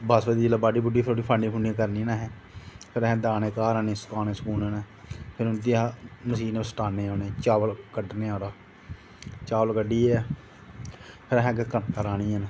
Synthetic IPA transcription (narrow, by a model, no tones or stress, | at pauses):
basbəd̪iːd͡ʒlaːbaːɖiːbʊɖiːpʰɪɾoɖiːpʰaɳɖĩːkʰʊɳĩkəɾniːnãːɦɛː | pʰɪɾɛɦɛ̃ːd̪aːneːkaːɾaːneːskaːneːsəkuːnənɛː | pʰɪɾʊnd̪iaːməsiːneːəsʈaːneːoːnẽːt͡ʃaːʋəlkəɖneːaːɾaː | t͡ʃaːʋəlkəɖiːɛː | pʰɪɾɛɦɛ̃ːkkəkaɾaːniːən